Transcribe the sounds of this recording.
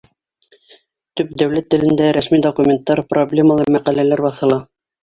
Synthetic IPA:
t̪ɵp̚d̪æwlæt̪ːɘ̆lɘ̆nd̪æɾæsmid̪okumʲent̪ːɑɾproblʲeməlˠɑɾmæqælælæɾbɑθɤ̆lˠɑ

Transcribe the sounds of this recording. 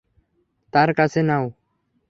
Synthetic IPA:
t̪aːɾkasenaːu

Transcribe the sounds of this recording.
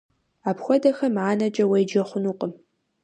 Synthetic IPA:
aːpxʷɔdɐxɐmʕaːnɐt͡ʃʼɐwejd͡ʒɐχʷʊnuːqʼəm

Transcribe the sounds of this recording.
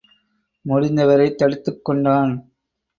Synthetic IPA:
mɔɽɪnd̪ɐʋɐɾɐɪt̪ːɐɽɯt̪ːɯkːɔɳɖaːn

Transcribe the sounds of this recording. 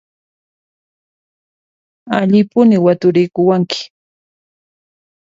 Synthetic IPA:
aʎɪpʊnɪwat̪ʊɾɪjkʊwaŋkɪ̥

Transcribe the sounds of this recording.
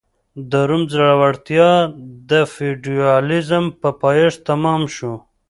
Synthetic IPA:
d̪aɾumzaɽawaɽt̪jɑd̪əfiɖiɑlizəmpəpɑjeʂt̪amɑmʃu

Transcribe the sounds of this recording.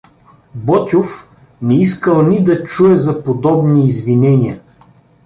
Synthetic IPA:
bɔt̪ʲʊf | nɛiskəlˠnid̪ɐt͡ʃuɛzɐpod̪ɔbniːzvinɛnʲiə

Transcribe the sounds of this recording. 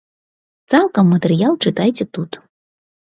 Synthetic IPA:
t͡sɑlˠkəmːət̪ʲeɾʲjɑlˠt͡ʃɨt̪ɑjtʲet̪ut̪

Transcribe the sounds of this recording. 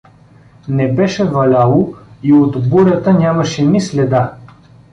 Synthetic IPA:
nɛbɛʃɛvɐlʲalˠoiot̪buɾʲət̪ənʲamɐʃɛnislɛd̪a

